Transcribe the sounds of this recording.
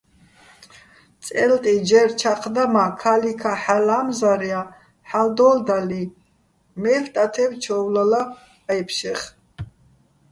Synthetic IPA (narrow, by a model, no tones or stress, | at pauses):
t͡s̪ʼɛlt̪ʼid͡ʒɛɾt͡ʃʰaqʰd̪amakʰalikʰaħalamzaɾia | ħald̪ɔld̪ali | mɛft̪ʼat̪ʰɛwt͡ʃʰɔwlala | jpʰʃɛχ